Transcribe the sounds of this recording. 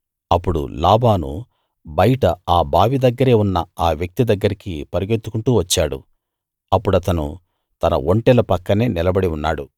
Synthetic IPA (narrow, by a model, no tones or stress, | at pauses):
ɐpːuɽṵlaːbaːnṵ | bɐjiʈɐaːbʱaːʋid̪ɐɡːɐɾe̞ːunːɐaːʋjɐk̚t̪id̪ɐɡːɐɾikipɐɾiɡe̞t̪ːu̥kuɳʈuːʋɐt͡ʃːaːɽṵ | ɐpːuɽɐt̪ɐnṵ | t̪ɐnɐ̰ʔoɳʈɛlɐpɐkːɐne̞ːnilɐbɐɽiunːaːɽu